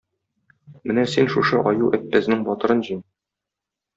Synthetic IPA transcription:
mɘnæsinʃuʃɤʔɒjuʔɘt̪̚ːæznɘŋbɒt̪ɤ̆ɾɤnʑin

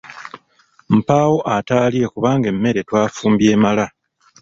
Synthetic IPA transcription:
m̩paːwo̞ʔataːlie̞kuβaːŋɡe̞mːe̞ɾe̞twaːfuːmbje̞ːmala

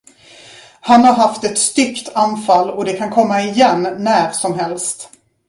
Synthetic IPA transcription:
hanhaɾɦaft̪ɛt̪st̪ʏkt̪ʰanfalːɔd̪ɛkʰankʰɔmːaɪjɛnːæɾsɔmɦɛlst̪

